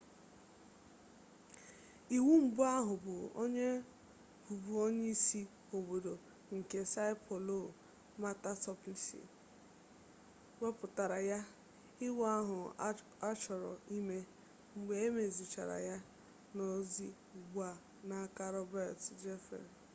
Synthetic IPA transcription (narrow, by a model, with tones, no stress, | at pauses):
i˨wu˦m̩˨bʊ˦a˦ɦʊ˨bʊ˨o̰˦ɲe˦ | bu˨bu˨o˦ɲe˦i˦si˦ | o˨bo˨do˨ | ŋ̩˨ke˨sa˦ɪ˦pʰɔ˨lo˦˨ | ma˦ta˦tɔ˦pli˦sḭ˨ | we˦pʊ˨ta˨ɾa˨ja˦ | ɪ˦wa˦ɦʊ˨ | a˦t͡ʃɔ˨ɾɔ̰˨i˦me˦ | ŋ͡m̩˨ɡ͡be˨˦e˦me˨zi˨t͡ʃa̰˨ɾa̰˨ja˦ | no˦zi˦˨ | ɡ͡bu˦a˨ | na˨˦ka˦ɾɔ˦bɛ˦˨td͡ʒe˦fḛ˨n